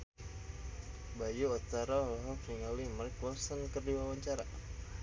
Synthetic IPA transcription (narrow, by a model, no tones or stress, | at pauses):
bajuːt̪aɾalaɦɔkriŋawimarkwɔsənkərdiwawaɲt͡ʃaɾa